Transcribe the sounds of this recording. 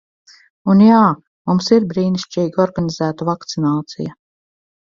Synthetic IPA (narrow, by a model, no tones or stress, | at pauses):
unjaː | mumsiɾbɾiːniʃt͡ʃiːɡɔɾɡanizæːt̪avakt̪sinaːt̪sḭja